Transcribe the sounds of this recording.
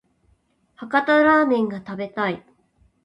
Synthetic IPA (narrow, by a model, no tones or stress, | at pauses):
hakat̪aɾaːmẽ̞ŋɡat̪abe̞t̪ai